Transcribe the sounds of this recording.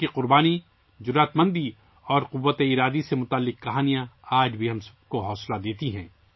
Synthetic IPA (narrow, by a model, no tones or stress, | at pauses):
iqʊɾbaːni | d͡ʒʊɾaːt̪mɐ̃nd̪i | ɔːɾqʊʋːət̪eɪɾaːd̪isemʊt̪aːlːɪqkɐɦaːnijãaːd͡ʒbʱiɦɐmsɐ̥b̚koɦɔːslad̪eːt̪iɦɛ̃ː